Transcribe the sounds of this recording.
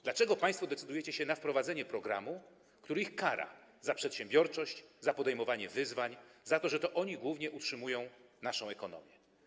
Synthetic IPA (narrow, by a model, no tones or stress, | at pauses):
d̪lat͡ʂɛɡɔpãj̃st̪fɔd̪ɛt̪sɘd̪ujɛt͡ɕɛɕɛnafpɾɔvad̪zɛɲɛpɾɔɡɾa̰mu | kt̪uɾixkaɾa̰zapʂɛt̪ɕɛ̃mbʲjɔɾt͡ʂɔɕt͡ɕzapɔd̪ɛjmɔvaɲɛvɘzvaɲzat̪ɔʐɛt̪ɔʔɔɲiɡwuvɲɛʔutʂɘmujɔ̃w̃naʂɔ̃w̃ɛkɔnɔ̰mʲjɛ